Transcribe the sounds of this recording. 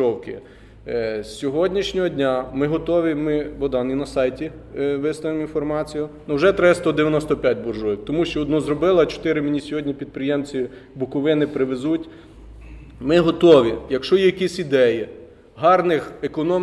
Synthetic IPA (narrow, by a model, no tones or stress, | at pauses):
ɔwkɪ̰ | sʲɔɦɔdʲnʲiʃnʲɔɦɔdʲnʲamɪɦɔt̪ɔʋʲimɪbɔd̪ɑninɐsɑjtʲi | ʋɪst̪ɐʋɪminfɔrmɑt͡sʲijʊnʊwʒɛt̪ɾɪst̪ɔd̪eʋʲjɐnɔst̪ɔpʲjat̚ʲbɔrʒɔʋʲiwt̪ɔmuʃt͡ʃɔːd̪nɔzɾɔbɪlˠɐt͡ʃɔ̥t̪ɪɾɪmɪnʲisʲɔɦɔdʲnʲipʲid̪̚pɾɪjɛmt͡sʲibʊkʊʋɪnɪpɾɪʋezutʲ | mɪɦɔt̪ɔʋʲijɐkʃɔjijɐkʲisʲid̪ɛji | ɦɑrnɪxekɔnɔ